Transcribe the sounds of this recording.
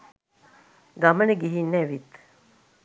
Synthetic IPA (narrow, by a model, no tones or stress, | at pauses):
ɡɐmɐneɡiɦinːɛʋit̪